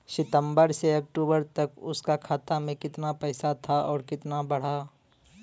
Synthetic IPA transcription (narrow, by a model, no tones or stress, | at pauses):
ʃɪt̪ə̃mbəɾseɐk̚ʈuːbəɾt̪ɐkʊskakʰaːt̪amẽkɪt̪napɛːsat̪ʰaɔːɾkɪt̪nabɐɽ̤aː